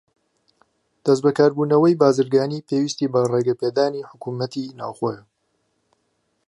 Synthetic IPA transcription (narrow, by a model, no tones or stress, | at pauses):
d̪̥ɐsbɐkaːɾbuːnɐwɐjbaːzɨɾɡaːniːpʰewiːst̪ibɐreɡɐped̪aːniːħʊkuːmɐt̪ʰinaːwxoːjɐ